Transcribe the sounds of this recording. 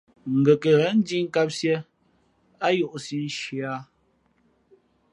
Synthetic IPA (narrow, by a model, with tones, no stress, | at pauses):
ŋ̩˨ɡə˨kə˨ɣn̩˦di˦ŋ̩˦ka˦p̚sje˦ | a˦jo˦˨ʔsi˦n˦ʃi˨a˦